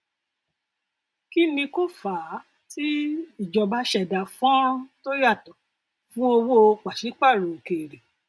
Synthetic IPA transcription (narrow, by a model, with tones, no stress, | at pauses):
ki˦nĩ˧ko˦fa˨˦ | ti˦i˦˨d͡ʒɔ˨˧ba˨˦ʃɛ˦˨da˨fɔ̃˦to˦ja˦˨tɔ˨ | fũ˦o˧wo˦˧k͡pa˨ʃi˨˦k͡pa˦˨ɾo˨ke˨ɾe˨